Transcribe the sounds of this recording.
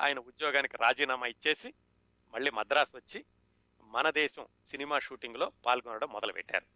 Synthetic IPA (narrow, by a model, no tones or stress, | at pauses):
a̰ːjɐnɐud̪jɔːɡaːnikiɾaːd͡ʒiːnaːmaːit͡ʃːe̞ːsi | mɐɭːiːmɐd̪ɾaːsʋɐt͡ʃːi | mɐnɐd̪ɛːʃɐm | sinimaːʃuːʈiŋɡulo̞ːpaːlɡɔnːɐɽɐmːɔd̪ɐlupɛ̰ʈːa̰ːɾu